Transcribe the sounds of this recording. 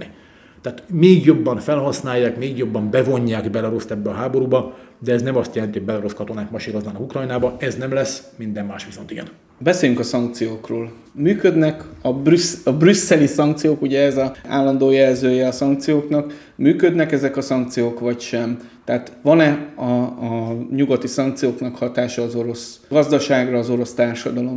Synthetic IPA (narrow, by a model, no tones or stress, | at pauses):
i | t̪aːt̪meːɡjo̞bːɒɱfɛlhɒsnaːjːaːkmeːɡjo̞bːɒmbɛvo̞ɲːaːɡbɛlɛɒɾo̞st̪ɛbːɛɒɦaːbo̞ɾuːbɒd̪ɛɛznɛmɒst̪jɛlɛnt̪ihoɟ̚bɛlɛɾo̞skɒt̪o̞naːt̪mɒʃiːɾo̞znaːnkukrɒjnaːbɒɛznɛmlɛsːmind̪ɛmːaːʃʋiso̞nt̪iɡɛ̰n | bɛseːjyŋkɒsɒŋk̚t̪sijoːkroːl | myːkø̞d̪nɛkɒbrysɒbrysːɛlisɒŋkt̪sijoːkuɟɛɛzɒa̰ːlːɒnd̪oːjɛlzøːjɛɒsɒŋkt̪sijoːknɒk | myːkød̪nɛkɛzɛkɒsɒŋkt̪sijoːkʋɒcʃɛmt̪ɛːt̪ʋɒnɛɒɒɲuɡɒt̪isɒŋkt̪sijoːknɒkhɒt̪aːʃɒːzo̞ɾo̞sɡ̥ɒzd̪ɒʃaːɡrɒːzo̞ɾo̞st̪aːrʃɒd̪ɒlo̞m